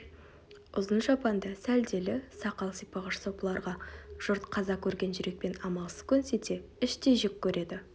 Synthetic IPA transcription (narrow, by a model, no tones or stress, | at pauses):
ʊzənʒɑpɑnd̪ɑsæld̪e̞lɪsɑqɑlˠsijpɑʁəʃsopəlˠɑɾʁɑʒ̥ʊɾt̪qʰɑzɑkʲʰɵɾɡʲe̞nʒʏɾe̞k̚pe̞nɑmɑlˠsə̥z̥kʲʰɵnse̞t̪e̞ɪʃt̪eʒɪkʲʰːɵɾe̞d̪ɪ